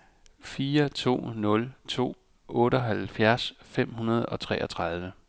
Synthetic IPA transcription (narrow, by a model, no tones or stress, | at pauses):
fiːɐt͡sʰo̝̰ːnɔ̽lt͡sʰo̝̰ː | ɔ̽ːɾəɒɦælfjæɐsfem̰hunɐð̞ˠɒ̽t͡sʰʁɛ̰ːʔɒt͡sʰʁɑ̈ð̞ˠʋə